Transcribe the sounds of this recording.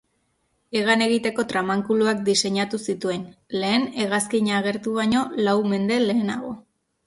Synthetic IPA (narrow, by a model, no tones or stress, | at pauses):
e̞ɣ̞ane̞ɣit̪e̞ko̞t̪ɾamaŋkuluak̚d̪ise̞ɲat̪usit̪ue̞nle̞ːne̞ɣ̞askiɲaːɣ̞e̞ɾt̪uβaɲo̞lawme̞nd̪e̞le̞ːnaɣo̞̰